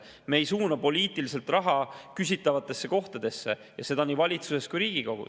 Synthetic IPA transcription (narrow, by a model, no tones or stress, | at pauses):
me̞ːjsuːnɑpo̞lʲiːt̪ˑilise̞lt̪rɑɦɑkys̬ʲit̪ːˑɑvɑt̪ːˑe̞sːe̞ko̞ht̪ɑd̪̥e̞sːe̞ | jɑse̞d̪̥ɑniːvɑlʲit̪suse̞st̪kujɾiːɡ̥iko̞ɡ̥ṵ